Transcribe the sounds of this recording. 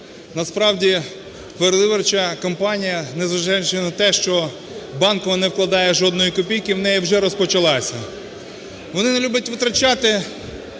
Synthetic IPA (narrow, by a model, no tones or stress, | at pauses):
nɐspɾɑwdʲi | peɾed̪ɪʋɐrt͡ʃɐkɔmpɑnʲijɐnezʋɐʒajʊt͡ʃɛnɐt̪ɛʃt͡ʃɔ | bɑnkɔʋɐnɛwklˠɐd̪ɑjɛʒɔd̪nɔjikɔpʲijkɪwnɛjiwʒɛɾɔspɔt͡ʃɐlˠɑsʲɐ | ʋɔnɪnelʲubjʲɐtʲʋɪt̪ɾɐt͡ʃɑt̪ɪ